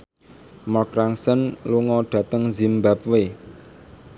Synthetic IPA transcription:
mɔkɾaŋsənluŋɔɖ̥ä̤t̪əŋzimbap̚we

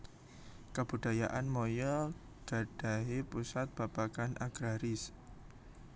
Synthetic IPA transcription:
kab̥ud̥a̤jaʔanmojɔ | ɡ̥a̤d̥a̤ɦepusat̪̚b̥apakanʔaɡ̥ɾaɾɪs

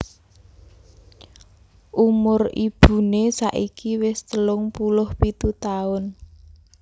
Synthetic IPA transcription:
ʔumʊrib̥ṳnesa̰ʔikiwɪst̪əlʊŋpulʊhpit̪ut̪aʊn

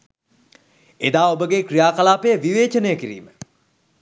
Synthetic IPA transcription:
ed̪aːobəɡekrijaːkalaːpejəʋiʋeːt͡ʃənəjəkiɾḭːmə

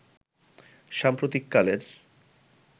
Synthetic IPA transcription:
ʃampɾot̪ikːaleɾ

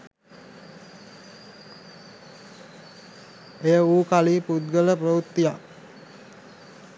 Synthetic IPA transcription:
ejəuːkaliːpud̪̚ɡələprəʋut̪ːijak

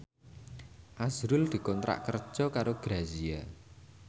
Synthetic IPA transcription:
ʔazɾʊld̪̥i̤kɔnt̪ɾa̰ʔkər̥ʒ̥ɔ̤kaɾoɡ̥ɾazia

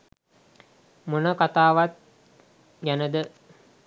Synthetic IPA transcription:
munəkat̪aːʋat̪̚ | ɡænəd̪ə

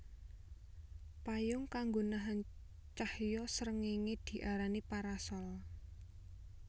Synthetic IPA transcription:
pajʊŋkaŋɡonaɦan | t͡ʃahjɔsəɾəŋeŋed̪̥i̤ʔaɾanipaɾasɔl

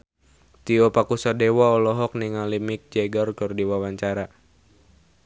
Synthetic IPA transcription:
t̪iɔpakusɔdewaɔlɔɦɔk̚niŋalimik̚d͡ʒɛɡɔrkɨrdiwawaɲt͡ʃaɾa

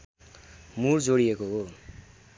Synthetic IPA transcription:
murd͡zoɽiekoɦo

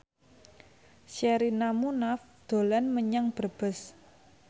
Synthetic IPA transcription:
ʃɛɾinamunaf | d̪̥o̤lanməɲaŋb̥ərb̥ə̤s

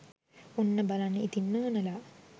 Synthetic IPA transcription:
onːəbalanːəit̪inːəːnəla

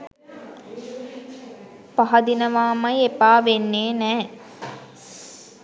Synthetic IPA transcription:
paɦɐd̪inəʋaːmajepaːʋenːeːnɛː

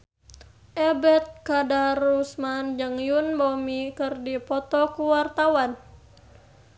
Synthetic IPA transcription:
ʔɛbɛt̪̚kadarusmand͡ʒɨŋjunbɔmikɨrdipɔt̪ɔkuwart̪awan

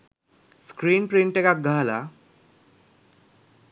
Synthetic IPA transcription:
skɾiːnpɾiɳʈekak̚ɡʱala

